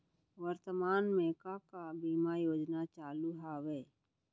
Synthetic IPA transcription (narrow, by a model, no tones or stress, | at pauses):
ʋəɾt̪əmaːnmeːkakabiːmajoːd͡ʒnat͡ʃaːluɦaːweː